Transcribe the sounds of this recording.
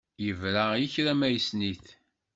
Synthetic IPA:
jəvɾajəçɾæmæjsniθ

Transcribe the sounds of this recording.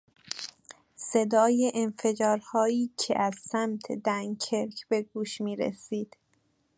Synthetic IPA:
se̞d̪ɒːjeʔenfe̞d͡ʒɒːɾhɒːiːcʰḛʔæz̥sæmt̪ʰed̪æŋkʰeɾkʰb̥e̞ɡuːʃmiːɾḛsiːd̪̥

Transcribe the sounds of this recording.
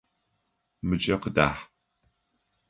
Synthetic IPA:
mɨt͡ʃʼɐqəda̰ːħ

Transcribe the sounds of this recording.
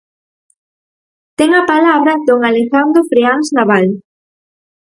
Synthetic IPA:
t̪eŋapalaβɾad̪oŋalexand̪ɾofɾianznaβal

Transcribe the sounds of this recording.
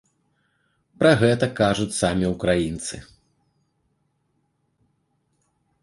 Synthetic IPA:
pɾɐɣɛt̪ɐkaʐut͡sʲsamʲiwkɾajint̪sɨ̰

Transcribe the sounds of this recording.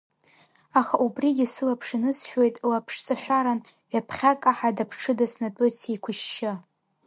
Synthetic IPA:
aχaʔubriɡʲɪsɨlapʰʂɨnɨsʃᶣwejtʼlapʰʂt͡sʼaʃʷᶣaɾanʕʷᶣapʰχʲakʼaħadapʰʈ͡ʂʰɨdasnatʼot͡sʰaikʷʰʊʃːɪ

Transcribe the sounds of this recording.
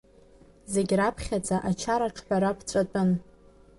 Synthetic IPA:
ze̞ɡʲrapʰχʲat͡sʼaʔat͡ʃʰaɾaʈ͡ʂʰħʷᶣaɾapʰt͡sʷʼatʼʊn

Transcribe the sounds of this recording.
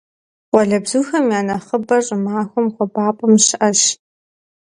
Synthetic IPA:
qʷʼɔɮɐbzuːxɐmjaːnɐχəbɐɕʼɪmaːxʷʊmχʷʊbaːpʼɐmɕɪʔɐɕ

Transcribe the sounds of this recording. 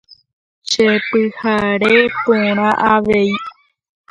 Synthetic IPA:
ʃepɨhaɾepõɾ̃ãʔaʋe̞i

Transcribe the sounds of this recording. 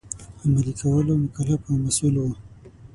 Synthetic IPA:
amalikʰawəlomʊkalafamasulwo

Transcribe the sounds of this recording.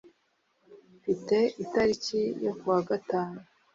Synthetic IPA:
fite̞itaɾicijo̞kwaːɡataːnu

